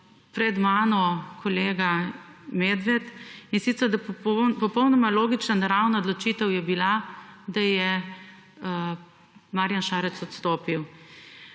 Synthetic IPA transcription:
pɾɛd̪maːnɔkʰɔleːɡameːd̪ʋɛt̪insit̪səɾd̪appɔpɔwnɔmaloːɡit͡ʃnanaɾawnaod̪lɔt͡ʃiːt̪ɛwjɛbilad̪ajɛ | maɾjanʃaːɾɛt̪sɔt̪st̪oːpiw

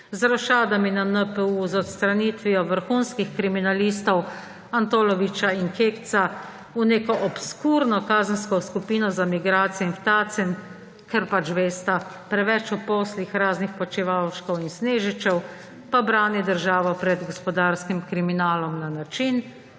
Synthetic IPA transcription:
zɾɔʃaːd̪aminanəpəuzɔt̪st̪ɾaniːt̪ʋiɔʋəɾxunskixkɾiminaliːst̪ɔw | ant̪oːlɔʋit͡ʃainkeːkt̪sa | uneːkɔʔɔpskuːɾnɔkaːzənskɔskupiːnɔzamiɡɾaːt̪sijɛinft̪aːt̪sɛn | kɛɾpat͡ʃʋeːst̪apɾɛʋɛt͡ʃupɔːslixɾaːznixpɔt͡ʃiʋawʃkɔwinsneːʒit͡ʃɛw | pabɾaːnid̪əɾʒaːʋɔpɾɛd̪ɡɔspɔd̪aːɾskimkɾiminaːlɔmnanat͡ʃin

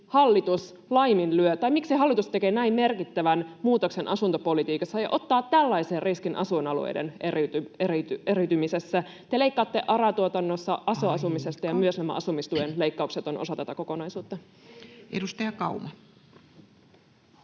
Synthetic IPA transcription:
hɑlːit̪us | lɑjminlyøt̪ɑjmiksiɦɑlːit̪ust̪ekeːnæimme̞rkit̪ːæʋænmuːt̪okse̞nʔɑsunt̪opo̞lit̪iːkɑsːɑjɑ̰ʔo̞t̪ːɑːt̪ːælːɑiseːrriskinʔɑsuenɑlṵḛjde̞̰nerit̪yerit̪eɾyt̪ymisesːæ | t̪e̞le̞ikːɑːt̪ːe̞ʔɑɾɑt̪uot̪ɑnːosːɑʔɑsoɑsumise̞st̪ɑjɑmyøsnæmæ̰ʔɑsumist̪uenle̞ikːɑukset̪o̞nʔo̰sɑt̪ɑt̪ɑko̞ko̞nɑjsuːt̪ːɑ | ʔḛdust̪ɑjɑkɑumɑ

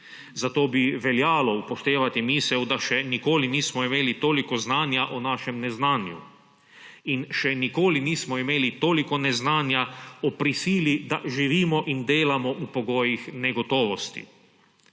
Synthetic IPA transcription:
zat̪oːbiʋɛljaːlɔupɔʃt̪eːʋat̪imiːsɛwd̪aʃɛnikoːliniːsmɔimeːlit̪oːlikɔznaːnjaʔɔnaːʃɛmnɛznaːnjṵ | inʃɛnikoːliniːsmɔimeːlit̪oːlikɔnɛznaːnjaɔpɾisiːlid̪aʒiʋiːmɔʔind̪eːlamɔʔupoɡoːjixnɛɡɔt̪oːʋɔst̪ḭ

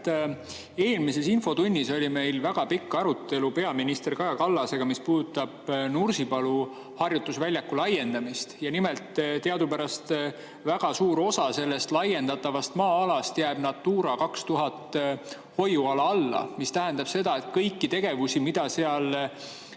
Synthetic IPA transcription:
e̞ːlmise̞sinfo̞t̪unʲːiso̞lʲime̞jlvæɡ̥ɑpikːɑɾut̪ːe̞lupe̞ɑminist̪e̞rkɑjɑkɑlːɑse̞ɡ̥ɑmispuːd̪̥ut̪ːˑɑb̥nursipɑlu | hɑrjut̪ːˑusvælʲjɑkːulɑje̞nd̪̥ɑmist̪jɑnime̞lt̪t̪e̞ɑd̪upæɾɑst̪ | væɡ̥ɑsuːɾo̞sɑse̞lːe̞st̪lɑje̞nd̪ɑt̪ːˑɑvɑst̪mɑːɑlɑst̪jæːb̥nɑt̪ːuːɾɑkɑkst̪uɦɑt̪ːˑ | ho̞juɑlɑɑlːɑ̰mist̪æɦend̪ɑb̥se̞d̪̥ɑe̞t̪̚kɤjkːit̪e̞ɡ̥e̞vusimid̪̥ɑseɑl

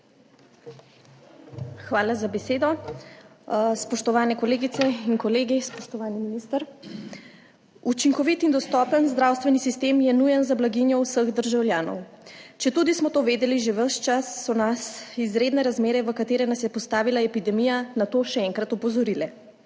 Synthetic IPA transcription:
xʋaːlazabɛseːd̪ɔ | spɔʃt̪ɔʋaːnɛkɔleːɡit̪sɛiŋkɔleːɡispɔʃt̪ɔʋaːniminist̪əɾ | ut͡ʃiŋkɔʋit̪ind̪ɔst̪ɔpənzd̪ɾawst̪ʋɛnisist̪eːmjɛnujɛnzablaɡinjɔwsəɣd̪əɾʒawljaːnɔ̰w | t͡ʃɛt̪ud̪ismɔt̪oːʋeːd̪ɛliʒeʋəʃt͡ʃasːɔnasizɾeːd̪nɛɾazmeːɾɛʋəkat̪eːɾɛnasjɛpɔst̪aːʋilaɛpid̪ɛmijanat̪oːʃɛɛŋkɾat̪ɔpɔzɔɾilɛ

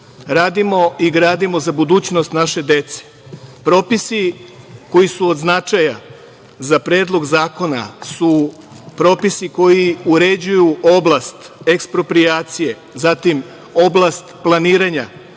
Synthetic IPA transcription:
ɾaːd̪imo̞iɡɾaːd̪imo̞zabud̪uːt͡ɕnost̪naʃe̞d̪e̞t̪se̥ | pɾo̞pisi | ko̞jisuod̪znat͡ʃaja | zapɾjeːd̪lˠo̞ɡzaːko̞na̰su | pɾo̞ːpisiko̞jiuɾe̞d͡ʑujuʔoblast̪ekspɾo̞pɾiaːt̪sije̞ | zat̪im | o̞blˠast̪plˠaniːɾaɲa

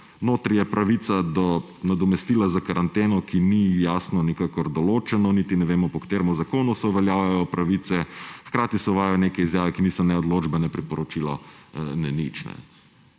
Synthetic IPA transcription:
noːt̪ɾijɛpɾaʋit̪sad̪ɔ | nad̪ɔmɛst̪iːlazakaɾant̪eːnɔkinijaːsnɔnikakɔɾd̪ɔloːt͡ʃɛnɔnit̪inɛʋeːmɔpɔkt̪eːɾmɔzakoːnusɛuʋɛljaːwjajɔpɾaʋiːt̪sɛxkɾaːt̪isɛʊʋaːjajɔneːkɛizjaːʋɛkiniːsɔnɛɔd̪lod͡ʒbɛnɛpɾipɔɾɔt͡ʃilɔ̰nɛnit͡ʃnɛ̰

